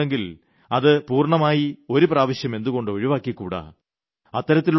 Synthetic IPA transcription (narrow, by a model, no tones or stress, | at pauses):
eŋɡil | ɐðɨpuːrɳɐmaːjio̞ɾupraːʋɐɕjɐme̞nd̪uɣo̞ɳɖɨɐɻiʋaːkːikːṵːɽa̰ | ɐt̪ːɐɾɐt̪ːil